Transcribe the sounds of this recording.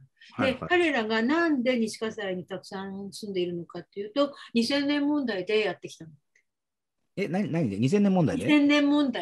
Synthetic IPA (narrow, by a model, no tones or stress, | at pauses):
hd̪ekaɾe̞ɾaɡanãnd̪e̞ɲ̟iɕi̥kasaɾaɲ̟it̪akɯ̟̥sãsɨ̃nd̪e̞iɾɯ̟no̞kat̪ːe̞jɯ̟ːt̪o̞ɲ̟isẽ̞nːẽ̞mːõ̞nd̪aid̪e̞jat̪ːe̞kʲi̥t̪ano | e | enaɲinaɲ̟id̪eɲ̟is̬ẽ̞nːẽmond̪a̰ideẽ̞nːẽ̞mːõ̞nd̪a